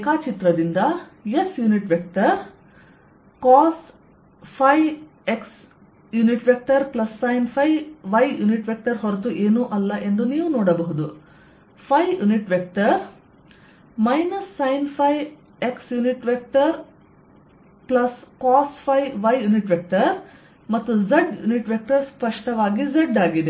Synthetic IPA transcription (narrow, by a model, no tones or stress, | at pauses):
kaːt͡ʃit̪ɾɐd̪ind̪ɐjesjuːniʈʋek̚ʈɐɾ | kaːs | pʰɐj | eks | juniʈʋek̚ʈɐɾplɐsːɐjnpʰɐjʋɐjjuniʈʋek̚ʈɐɾɦɔɾt̪uʔeːnuʔɐlːɐʔe̞nd̪uniːʋunoɔːɽɐbɐɦud̪u | pʰɐjjuniʈʋek̚ʈɐɾ | mɐjnɐsːɐjnpʰɐj | eksjuniʈʋek̚ʈɐɾ | plɐskaːspʰɐjʋɐjjuniʈʋek̚ʈɐɾ | mɐt̪ːuzɐɖjṵniʈʋek̚ʈɐɾspɐʂʈɐʋaːɡizɐɖaːɡid̪e